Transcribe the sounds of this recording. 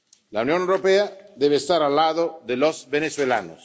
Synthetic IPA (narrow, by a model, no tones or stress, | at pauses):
launjonewɾopead̪eβeːst̪aɾalːaðod̪elosbeneswela̰no̰s